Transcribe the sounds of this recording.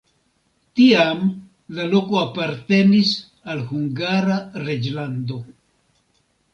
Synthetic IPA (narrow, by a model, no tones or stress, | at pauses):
tiam | lalo̞koapaɾt̪e̞nis | alhuŋɡaɾaɾed͡ʒland̪o̞